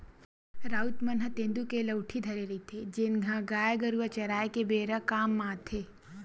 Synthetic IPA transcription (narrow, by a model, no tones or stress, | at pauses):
ɾaːut̪mɐnɦət̪ẽːnd̪ukelɐwʈʰid̪ʱɐɾeɾɐit̪ʰed͡ʒɪnɡʱãɡaːjɡɐɾuʋət͡ʃɐɾaːekebeːɾəkaːmːãːt̪ʰeː